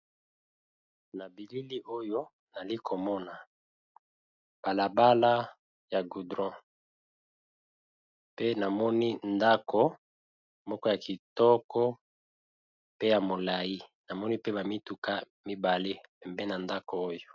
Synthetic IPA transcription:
na˨bi˨li˦li˦ʔo˦jo˦ | na˨li˦kʰo˨mɔ˦na˨ | b̥a˨la˨ba˦la˦ | ja˨ɡu˨dʁɔ̃˦ | pe˦na˨mɔ˦ni˦nda˦ko˦ | mɔ˦kɔ˦ja˨ki˨tɔ˦kɔ˦ | pe˦ja˨mo˨la˨ji˦na˨mɔ˦ni˦pe˦ba˨mi˦tu˨ka˦ | mi˦ba˨le˦pɛ˨mbe˦na˨nda˦ko˨o˦jo˨

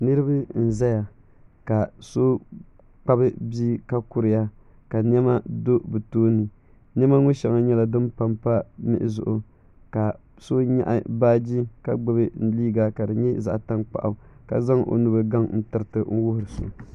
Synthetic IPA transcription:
nɨ˦ɾɨ˦bɨ˦n̩˨za˦ja˨ | ka˨so˦ | k͡pa˦bɨ˦bi˦ka˦ku˦ɾɪ˨ja˦ | ka˨n˦ɛ˦ma˦do˦bɨ˨toː˦nɨ˨ | n˦ɛ˦ma˦ŋʊ˦ʃɛ˨ŋa˦ɲɛ˦la˨dɨ˦mpa˦mpa˦mɪ̰˦ʔɪ˨zʊ̰˨ʔʊ˨ | ka˨ | so˦ɲa̰˦ʔa˦baː˦d͡ʒi˦ka˦ɡ͡bɨ˦bɨ˦n̩˦liː˦ɡa˨ka˨dɨ˨ɲɛ˦za̰˨ʔta˦nk͡pa̰˨ʔa˨ka̰˨za˦ŋʔo̰˨nu˦bɨ˦ɡa˦ŋn̩˦tɨ˦ɾɨ˦tɨ˦n̩˦wʊ˦hʊ˨ɾɨ˨so̰˨

